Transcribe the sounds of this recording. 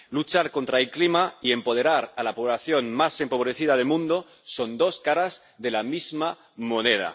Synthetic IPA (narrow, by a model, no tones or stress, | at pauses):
lut͡ʃaɾko̞nt̪ɾaelklimaie̞mpo̞ð̞e̞ɾaɾalapoβlaθjo̞nmase̞mpo̞β̞ɾe̞θiðað̞e̞lmũnd̪o | so̞nd̪o̞skaɾaz | ðe̞lamizma | mo̞neð̞a̰